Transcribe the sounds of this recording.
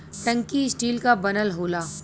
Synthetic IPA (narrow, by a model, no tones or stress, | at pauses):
ʈɐ̃ŋkisʈiːlkabɐnəlɦoːlaː